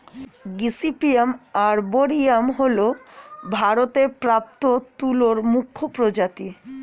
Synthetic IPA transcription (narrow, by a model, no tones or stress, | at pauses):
ɡisipiemaɾboɾiamɦolobʱaɾot̪epɾap̚t̪ot̪uloɾmukʰːopɾod͡ʑat̪i